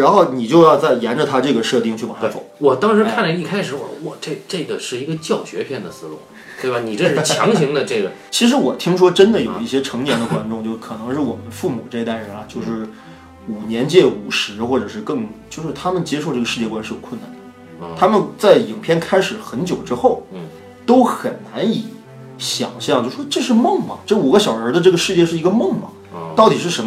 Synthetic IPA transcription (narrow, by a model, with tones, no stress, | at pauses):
ɻa˧˥nxo˥˩ʊni˨˩t͡ɕjo˥˧ʊjɑ˥˧ʊt͡sa˥˩ɪjɛ˧˥nʈ͡ʂə˧t̪ʰa˥ʈ͡ʂɤ˥˩ɡə˩ʂɤ˥˧t̪i˥˩ŋt͡ɕʰy˥˩pa˨˩˥fo̰˨˩˦ʊwɔ˨˩t̪ɑ˥ŋʂɻ̩˧˥kʰa˥˩nə˩i˥˩kʰa˥ɪʂɻ̩˧˥wɔ̰˨˩wɔ˨˩ʈ͡ʂɤ˥˧ʈ͡ʂɤ˥˩ɡə˩ʂɻ̩˥˩i˧˥ɡə˧t͡ɕjɑ˥˩ʊɕɥɛ̰˧˥pʰjɛ˥˩nd̪ə˩sɹ̩˥lṵ˥˩ | t̪we˥˩ɪba˨˩ni˨˩ʈ͡ʂɤ˥˧ʂ̩˥t͡ɕʰjɑ̰˧˥ŋɕi˧˥ŋd̪ə˧ʈ͡ʂɤ˥˩ɡə˩t͡ɕʰi˧˥ʂ̬ɻ̩˧˥wɔ˨˩t̪ʰi˥ŋʂwɔ˥ʈ͡ʂə˥nd̪ə˨jo˨˩ʊi˥˩ɕjɛ˥ʈ͡ʂʰɤ˧˥ŋnjɛ˧˥nd̪ə˧kwa˥nʈ͡ʂʊ˥˧ŋt͡ɕjo˥˧ʊʂkʰɤ˨˩nɤ˧˥ŋʂɻ̩˥˩wɔ˨˩mə˦nfu˥˩mu˨˩ʈ͡ʂɤ˥˩˧i˧˥a˥˩ɪɻə˧˥nɐ˧t͡ɕjo˥˧ʊʂɻ̩˥˩ | u˨˩njɛ˧˥nt͡ɕjɛ˥˩u˨˩ʂɻ̩˧˥xwɔ˥˩ʈ͡ʂɤ˨˩ʂɻ̩˥˧kɤ˥˧ŋt͡ɕjo˥˧ʊʂɻ̩˥˧t̪ʰa˥mə˨nt͡ɕjɛ˥ʂo˥˧ʊʈ͡ʂɤ˥˩ɡə˩ʂɻ̩˥˧t͡ɕjɛ˥˩kwa˥nsi˧˥jo˨˩ʊkʰwə˥˩na̰˥˩nd̪ | t̪ʰa˥mə˨nt͡sa˥˩ɪi˨˩ŋpʰjɛ˥˧nkʰa˥ɪʂɻ̩˨˩xə˧˥nt͡ɕjo˨˩ʊʈ͡ʂɻ̩˥xo˥˩ʊ | t̪o˥ʊxə˨˩nna˧˥ni˨˧˥ | ɕjɑ̰˨˩ŋɕjɑ˥˧ŋt͡ɕjʂɻ̩˥˩ʂʈ͡ʂɤ˥˧ʂɻ̩˥˧mɤ˥˩ŋmɐ̰˨˩ʈ͡ʂɤ˥˩u˨˩ɡə˦ɕjɑ˨˩ʊə˞˧˥d̪ə˧ʈ͡ʂɤ˥˩ɡə˩˧ʂɻ̩˥˧t͡ɕjɛ˥˧ʂɻ̩˥˩i˧˥ɡə˧mɤ˥˩ŋmɐ̰˩ | t̪ɑ˥˩ʊt̪i˨˩ʂ̬ɻ̩˥˩ʂə˧˥